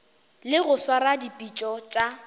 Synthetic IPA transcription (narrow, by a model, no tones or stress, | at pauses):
lɪɣʊswaɾadipʼit͡ʃʼɔt͡ʃʼa